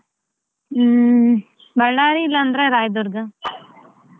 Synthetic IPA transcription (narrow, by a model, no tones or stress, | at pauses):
bɐɭːaːɾiːlːɐːnd̪ɾeɾaːjd̪uɾɡɐ